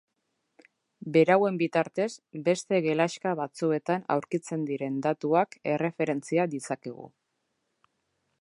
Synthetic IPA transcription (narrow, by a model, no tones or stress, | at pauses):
be̞ɾawe̞mbit̪aɾt̪e̞sbe̞st̪e̞ɣe̞laʃkaβat͡sue̞t̪ana̰wɾkit͡se̞nd̪iɾe̞nd̪at̪uake̞re̞fe̞ɾe̞nt͡siad̪isake̞ɣ̞ṵ